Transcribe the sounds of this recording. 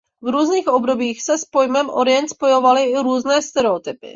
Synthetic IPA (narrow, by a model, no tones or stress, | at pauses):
vɾuːzniːxo̞bdo̞biːxsɛspo̞jmɛmʔoɾɪjɛnt̪spo̞jo̞valɪɪɾuːznɛːst̪ɛɾɛot̪ɪpɪ̰